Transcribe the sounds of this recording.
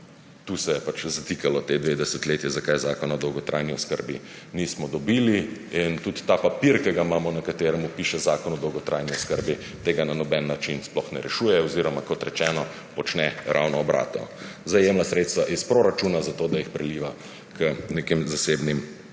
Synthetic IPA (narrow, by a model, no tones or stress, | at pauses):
t̪usɛjɛpat͡ʃzat̪ikalɔt̪ed̪ʋed̪ɛsɛt̪leːt̪jɛzakajzaːkɔnɔd̪ɔwɡɔt̪ɾa̰jniɔskə̰ɾbi | niːsmɔd̪ɔbiːliint̪ut̪ːapapiɾkɛɡaimaːmɔnakat̪eːɾɛmupiːʃɛzaːkɔnɔd̪ɔwɡɔt̪ɾʔajniɔskəɾbi | t̪eːɡananɔbɛnːat͡ʃinsplɔxnɛɾɛʃuːjɛɔziɾɔmakɔt̪ɾɛt͡ʃɛːnɔ | pɔt͡ʃnɛɾʔa̰wnɔːbɾa̰ːt̪ɔ̰ | zajemnasɾeːt̪st̪ʋaʔispɾoɾat͡ʃuːnazat̪od̪ajixpɾɛliːʋa | kəneːkemzaseːbnim